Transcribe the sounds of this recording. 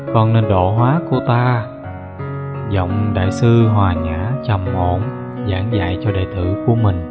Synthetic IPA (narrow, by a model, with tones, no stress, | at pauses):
kɔ˧nne˧nɗo̰˧˨ɦwaː˨˦ku˧˩ət̪aː˧ | zɔ̰˧˨wŋ͡mɗa̰ː˧˨jsɨ˧ɦwaː˨˩ɲaː˧˥˦t͡ɕə˨˩mʔo̰˧˩n | zaː˧˩ŋza̰ː˧˨jt͡ɕɔ˧ɗə̰ː˧˨jt̪ɨ˧˩ku˧˩əmï˨˩ŋ̟